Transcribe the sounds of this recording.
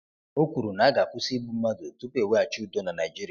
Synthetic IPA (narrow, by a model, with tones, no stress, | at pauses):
o˦kʷu˨ɾu˨na˨˦ɡa˨kʷʊ˦si˦bu˦m̩˦ma˦do˨tu˦pe˨we˦a˨t͡ʃu˦dɔ˦na˨na˨d͡ʒi˦ɾi˦˨